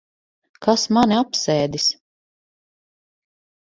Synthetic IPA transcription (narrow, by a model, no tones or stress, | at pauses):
kasmaniapsɛːd̪is